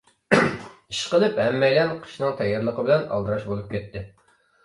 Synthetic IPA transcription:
iʃqəlˠɨphɛmːɛjlɛnqʰə̥ʃnɨŋt̪ʰɛjːɑɾlˠəqʰəbɪlɛnɑ̰lˠd̪ɨɾɑʃbolˠup̚kʲɛt̪ʰːɪ

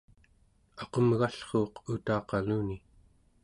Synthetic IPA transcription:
ɑqomɣaɬχoːqut̪ɑːqɑluːni

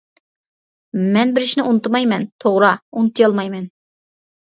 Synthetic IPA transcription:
mɛnbɪɾɪʃnɪʔunɨt̪mɑjmɛnt̪ʰoʁɾɑunɨt̪ʰɨjɑlˠmɑjmɛn

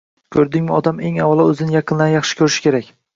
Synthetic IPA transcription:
kʲʰɵɾd̪ɪŋmɪɒd̪ame̞ŋawɒlˠɒɵzɪnɪjɑqʰɨnlanjɑχʃɪ̥kʲʰɵɾɪʃɪ̥kʲʰe̞ɾakʲ

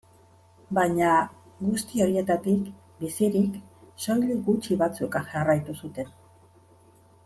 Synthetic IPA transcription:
bajɲa | ɡust̪io̞ɾie̞t̪at̪ik | bisiɾikso̞jliɡut͡ʃiβat͡sukaʝarajt̪usut̪e̞n

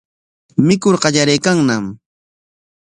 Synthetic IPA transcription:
mɪkoɾɢɑʎaɾejkaŋnam

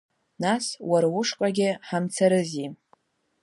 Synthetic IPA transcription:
naswaɾwʊʂkʼaɡʲɪħamt͡sʰaɾɨzi

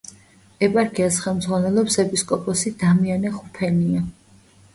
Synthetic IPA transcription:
ɛpʼaɾkʰʼiasχɛlˠmd̪zʁwanɛlˠɔpsɛpʼiskʼɔpʼɔsid̪amianɛχupʰɛnia

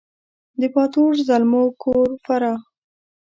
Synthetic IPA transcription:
d̪əpɑt̪oʐzalmokʰoɾfaɾɑ

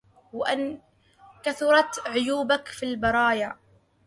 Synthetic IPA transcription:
wɪʔɪn | kaθʊɾˤɑt̪ʕʊjuːbakfilbɑɾˤɑːja

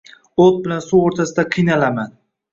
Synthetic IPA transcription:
ot̪̚bɪlansuwoɾt̪ʰasɪd̪aqʰɨjnalaman

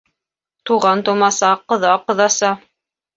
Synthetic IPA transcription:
t̪uʁɑnt̪ŏmɑsɑqɤ̆ðɑqɤ̆ðɑsɑ

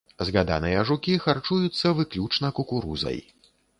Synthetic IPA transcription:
zɣad̪a̰nɨjɐʐukʲixart͡ʂujut̪sːɐvɨklʲut͡ʂnɐkukuɾuzɐ̰j

